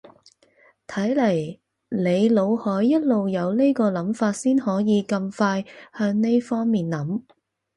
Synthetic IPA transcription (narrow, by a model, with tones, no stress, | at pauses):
t̪ʰɐ˨˥jlɐ˨˩j | le˨˧jlo˨˧whɔː˨˥jːɐ˥t̚lo˨wjɐ˨˧wle˥jkɔː˧lɐ˨˥mfaː˧t̚siː˥nhɔː˨˥jiː˨˧kɐ˧mfaː˧jhœː˨˥ŋne˥jfɔː˥ŋmiː˨nlɐ˨˥m